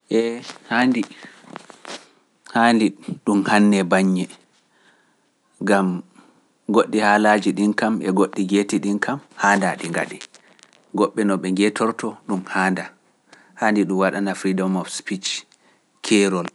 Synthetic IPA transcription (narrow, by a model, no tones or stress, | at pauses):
ʔɛhaːndi | handiɗumhanːɛbaɲːɛ | ɡam | ɡoɗːihaːlad͡ʒiɗinkamʔɛ̰ɡoɗːiɡetiɗinkʰamhaːndaɗiŋɡa̰ɗi | ɡɔɓːɛnɔɓɛŋɡɛtɔɾtɔɗumhaːnda | handiɗumwaɗanafɾidɔmɔfspit͡ʃ | kʰɛɾɔl